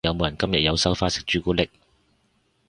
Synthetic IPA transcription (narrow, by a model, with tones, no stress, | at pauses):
jɐ˨˧wmo˨˧jɐ˨˩nkɐ˥mjɐ˨t̚jɐ˨˧wsɐ˥wfaː˥sɪ̥˨˥k̚t͡ʃyː˨˧˥kuː˥lɪ˥k̚